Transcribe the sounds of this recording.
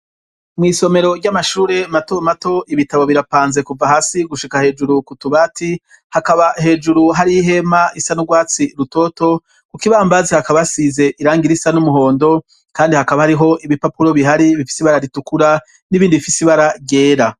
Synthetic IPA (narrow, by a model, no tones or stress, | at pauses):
mŋiːso̞me̞ɾo̞ɾɟamaʃuːɾe̞mato̞mato̞ʔiβitaβo̞βiɾapaːnze̞kuvaɦaːsiɡuʃikahe̞ːd͡ʒuɾukutuβaːti | hakaβaɦe̞ːd͡ʒuɾuɦaɾiɦe̞maisanuɡwaːt͡siɾuto̞to̞ | kukiβaːmbazihakaβasize̞ʔiɾaːŋɡiɾisanumuɦo̞ːndo̞ | kaːndihakaβahaɾiɦo̞ʔiβipapuɾo̞βiɦaɾiβifi̥siβaɾaɾitukuɾa | niβiːndiβifisiβaɾaɡɟe̞ːɾa